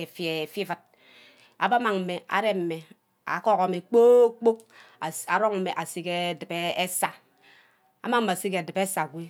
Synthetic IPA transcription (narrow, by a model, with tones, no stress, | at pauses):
e˨fe˨fi˦vɨ˦˨t̚ | a̰˨ba˦ma˨ŋm̩˨me˨a̰˨ɾe˦m̩˨me˨ | a̰˨kɔ˦kɔ˨me˨k͡po˦k͡po˦˨ | a˨ɾo˦ŋm̩˦me˨ʔa˨si˦ke˦˨dɨ˨pe˦e˦sa˦ | a̰˨ma˦ŋm̩˦me˨si˦ke˨dɨ˨pe˦sa˨ɡʷi˦